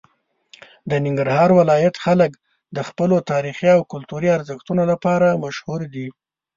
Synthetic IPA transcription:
d̪ənɪŋɡaɾhɑɾwɪlɑjat̪xalək | d̪əxpəlot̪ɑɾixiawkʊlt̪uɾiaɾzəxt̪unolapɑɾamaʃhuɾd̪i

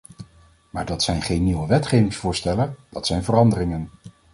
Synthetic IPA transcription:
maːɹdɑtsɛjnχejnːiwəʋɛtχejvɪŋsfʊːɹstɛləd̥ɑtsɛjnvərɑndərɪŋən

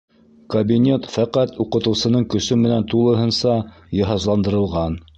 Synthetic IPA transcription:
kɐbʲinʲe̞t̪fæqæt̪uqɤ̆t̪ɤ̆wsɤ̆nɤɴkɵ̆sɵmɘ̆nænt̪ulˠɤ̆ɦɤ̆nsɑ | jɤ̆ɦɑzlˠɑnd̪ɤ̆ɾɤ̆lˠʁɑn

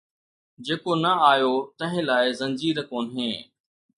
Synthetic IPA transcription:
d͡ʑeːkonɐaːjot̪ɐ̃ɦɪ̃laːɪzɐ̃nd͡ʑiːɾəkoːnɦẽː

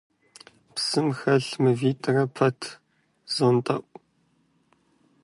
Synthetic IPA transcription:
psɨmxɐɬmɨviːtʼɐrɐpʰɐtʰ | z̥ontʼɐʔʷʼ

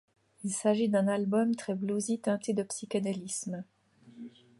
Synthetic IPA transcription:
ilsaʒid̪ɛ̃nalbɔmt̪χɛbluzit̪ɛ̃t̪ed̪əpsikʲanalism

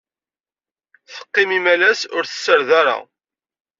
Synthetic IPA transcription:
θə̥qːɪmimælæsʊɾθə̥sːəɾðaɾa̰

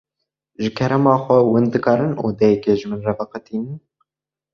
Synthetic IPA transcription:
ʒɨkʰɛɾɛmɑːxʷɛwɨnd̪ɨkɑːɾɨno̰ːd̪ɛjɛkeːʒɨmɨnrɛvɛqɨt̪iːnɨn

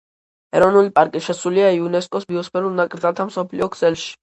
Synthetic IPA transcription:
ɛ̰ɾɔvnulipʼaɾkʼiʃɛsuliaiunɛskʼɔsbiɔspʰɛɾulˠnakʼɾd̪zalˠt̪ʰamsɔpʰlḭɔɡz̥ɛlˠʃi̥

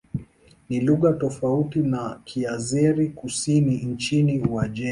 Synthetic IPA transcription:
niluɣatɔfautinakʰiazɛɾikusinin̩t͡ʃiniwaʄɛ

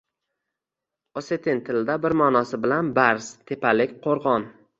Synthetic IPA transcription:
oset̪ʰɪnt̪ʰɪld̪abɪɾmɒːnɒsɪbɪlanbaɾst̪ʰe̞pʰalɪkʲqʰoɾʁɒn

